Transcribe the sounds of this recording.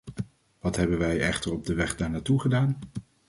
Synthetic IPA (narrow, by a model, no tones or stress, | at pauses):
ʋɑtɦɛbənʋɛjɛχtəɹɔb̚dəʋɛχdaːɹnaːtuχədaːn